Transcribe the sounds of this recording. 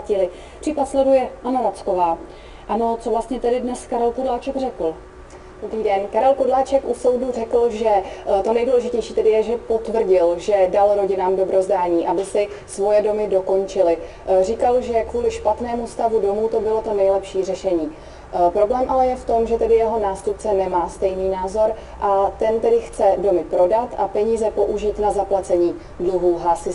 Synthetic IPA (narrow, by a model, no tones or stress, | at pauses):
cɪlɪ | pr̥iːpat̪slɛdujɛʔanoɾat͡skovaː | ʔano̞t͡sovlast̪ɲɛt̪ɛdɪdnɛskaɾɛlkodlaːt͡ʃɛɡrɛkl̩ | d̥obɾiːdɛnkaɾɛlkodlaːt͡ʃɛkʔusowdur̝ɛkl̩ʒɛt̪o̞nɛjduːlɛʒɪcɛjʃiːt̪ɛdɪjɛʒɛpo̞t̪vr̩ɟɪlʒɛdalɾo̞ɟɪnaːmdo̞bɾo̞zdaːɲiːʔabɪsɪsvo̞jɛdo̞mɪdo̞ko̞nt͡ʃɪlɪ | r̝ikalʒɛkvuːlɪʃpat̪nɛːmust̪avudo̞muːt̪o̞bɪlot̪o̞nɛjlɛpʃiːr̝ɛʃɛɲiː | pɾo̞blɛːmʔalɛjɛft̪o̞mʒɛt̪ɛdɪjɛɦo̞naːst̪up̚t͡sɛnɛmaːst̪ɛjniːnaːzo̞ɾ | ʔat̪ɛnt̪ɛdɪxt͡sɛdo̞mɪpɾo̞dat̪ʔapɛɲiːzɛpo̞ʔuʒɪt̪nazaplat͡sɛɲiː | dluɦuːɦasɪ